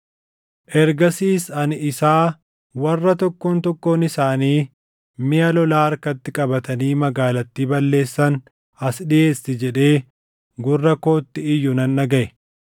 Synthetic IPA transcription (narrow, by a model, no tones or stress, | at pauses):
ʔɛɾɡɐsiːsɐnɪsaː | wɐrːɐt̪ɔkːoːnt̪ɔkːo̞ːnɪsaːniː | mɪjɐlɔlaːɐɾkɐt̪ːɪkʼɐbɐt̪ɐniːmɐɡaːlɐt̪ːiːbɐlːe̞ːsːɐn | ɐsᶑɪje̞ːsːɪd͡ʒɛᶑe̞ː | ɡʊrːɐkoːt̪ːɪɪjːʊnɐnːɐɡɐʔɛ